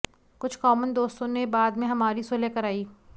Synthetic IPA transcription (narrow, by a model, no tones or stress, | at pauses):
kʊt͡ʃʰkɔːmənd̪oːst̪õnebaːd̪mẽɦɐmaːɾisolekɐɾaːiː